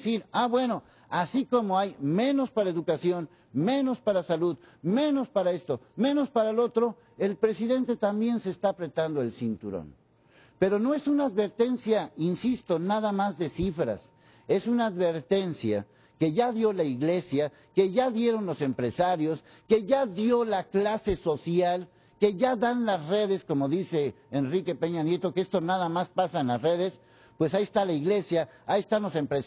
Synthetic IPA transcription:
siɾaβwe̞no̞ | asiko̞mo̞ajmẽ̞no̞spaɾaeðukasjo̞n | mẽ̞nospaɾasaluð | me̞no̞spaɾae̞st̪o̞me̞no̞spaɾaelo̞t̪ɾo̞ | e̞lpɾe̞siðe̞nt̪e̞t̪ambje̞nse̞ːst̪aːpɾe̞t̪and̪o̞e̞lsint̪uɾo̰n | pe̞ɾo̞no̞e̞sunaːðβe̞ɾt̪e̞nsjainsist̪o̞naðamazðe̞sifɾa̰s | e̞sunaːðβe̞ɾt̪e̞nsja̰ | ke̞ʝaðjo̞laiɣle̞sja | ke̞ʝaðje̞ɾo̞nlo̞se̞mpɾe̞saɾjo̞s | ke̞ʝaðjo̞laklase̞so̞sjal | ke̞ʝaðanlasre̞ðe̞sko̞mo̞ðise̞ː | nrike̞pe̞ɲanje̞t̪o̞keest̪o̞naðamaspasaenlasre̞ðe̞s | pwe̞saiest̪alaiɣle̞sjaːiest̪anlo̞se̞mpɾe

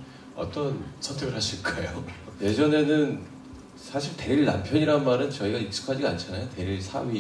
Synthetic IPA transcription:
ʌ̰t͈ʌnsʰʌntʰe̞ɡɯɭhaɕʰiɭk͈ajoje̞d͡ʑʌne̞nɯn | sʰaɕʰiɭte̞ɾiɭːa̰mpʰjʌɲiɾaɯnmaɾɯnt͡ɕʌiɡaik̚s͈u̥kʰad͡ʑiant͡ɕʰanajote̞ɾiɭsʰa̰wi

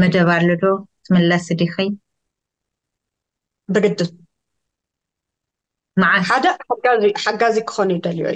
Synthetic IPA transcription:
mɐd̪ɐβalːod̪ot̪ʰɨmɨlːasɨd̪ixi | bɨɡɨd̪ːɨs | maʕaħad̪ɐħaaħaɡazikʰɨ̥xonujid̪ɐljo̰

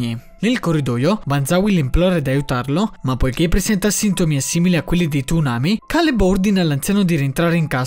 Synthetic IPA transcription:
i | nelkorːid̪ɔːjoband̪zawilimplɔːɾed̪ajut̪arlomapːojk̟epːɾezɛnt̪asint̪omiasiːmiliakːwelːid̪et̪unaːmikalebord̪inalant̪sjaːnod̪iɾient̪ɾaːɾeiŋkaː

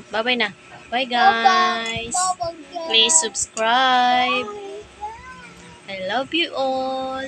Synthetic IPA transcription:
babajna | bajɡajsplisːubskɹajb̚ | ajlʌvjuʔɔl

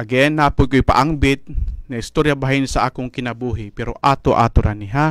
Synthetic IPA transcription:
ʔɐɡɛnːaːpʊj̚koɪpa̰ʔaŋbɪt̪̚nɐɪst̪oɾjabaɦɪnsaʔaːkoŋkɪnɐbuːɦɪpɛɾoʔaːt̪oʔa̰ːt̪oɾaniɦa

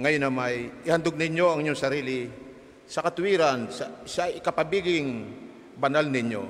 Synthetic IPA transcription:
ŋɐjonɐmajʔɪhand̪ʊɡ̚nɪɲjoɐŋɪɲoŋsɐɾiːlɪ | sɐkɐt̪ʊhiːɾansasaʔɪkɐpɐbiɡɪŋ | banalnɪɲo̰

